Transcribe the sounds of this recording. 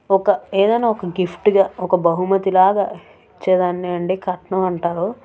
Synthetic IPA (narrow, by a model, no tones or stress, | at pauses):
ɔkɐeːd̪ɐjnaːɔkɐɡifʈɡaːɔkɐbɐɦumɐt̪ilaːɡa̰ː | it͡ʃːɛːd̪aːnːiɐɳɖiːkɐʈɳɐmɐɳʈaːɾo